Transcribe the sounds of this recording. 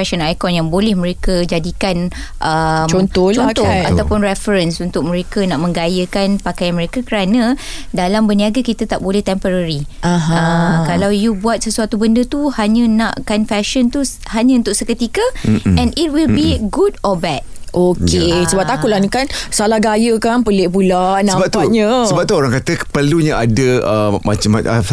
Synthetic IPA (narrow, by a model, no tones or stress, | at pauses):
fɛʃənajkɔnjaŋbolɛhmə̃ɾekəd͡ʒadikan | ʔəmt͡ʃɔnt̪ɔt͡ʃɔnt̪ɔa̰t̪awpʊnrɛfəɾənsunt̪ʊk̚mə̃ɾekanaʔmə̃ŋɡajəkanpakajanməɾekakəɾanãdalambəniaɡakit̪at̪aʔbolɛht̪ɛmpəɾaɾiãɦəkalawjubuat̪̚səsuat̪ubəndət̪uhaɲãnãʔkanfɛʃənt̪u | haɲãunt̪ʊʔsəkət̪ikaɛ̃nit̚wilbiɡudɔbɛd̚ʔokesəbap̚t̪akulanikansalaɡajəkanpəleʔpulanəbap̚t̪uɲəsəbap̚t̪uoɾaŋkat̪əpərluɲaadəəma̰t͡ʃama̰taf